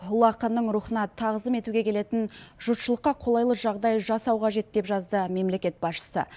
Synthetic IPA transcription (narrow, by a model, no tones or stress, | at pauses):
ɦʊlˠɑqənːəɴɾuχənɑt̪ʰːɑʁəzəme̞t̪uɡʲe̞kʲʰe̞le̞t̪ɪnʒʊt̪ʃəlˠəqːɑqʰo̞lˠɑjlˠəʒɑʁd̪ɑjʒɑsɑwqʰɑʒe̞t̪̚d̪e̞pʒɑzd̪əme̞mle̞kʲe̞t̪̚bɑsʃə̥sə̰